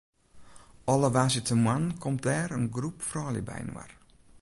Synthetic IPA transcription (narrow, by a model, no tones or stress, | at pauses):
ɔləʋazjətʰəmwankʰɔmdɛːɾənɡrupfrɔːljə̰bɛ̰jnwa̰r